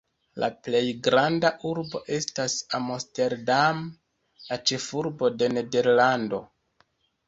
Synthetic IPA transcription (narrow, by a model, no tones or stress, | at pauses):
lʔa̰ple̞jɡɾandaʔuɾbo̞ʔe̞stasamoste̞ɾdam | lat͡ʃe̞fuɾbo̞de̞ne̞de̞ɾlando̞